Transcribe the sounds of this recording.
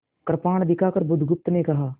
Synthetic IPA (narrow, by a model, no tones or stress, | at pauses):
kɐɾpaːɽ̃d̪ɪkʰaːkəɾbʊd̪ʱɡʊp̚t̪nekɐɦaː